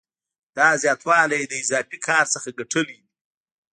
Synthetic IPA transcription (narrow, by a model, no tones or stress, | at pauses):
d̪̥ɑzjɑt̪wɑlajd̪əɪzɑfikʰɑɾsəxaɡaʈʰəlidi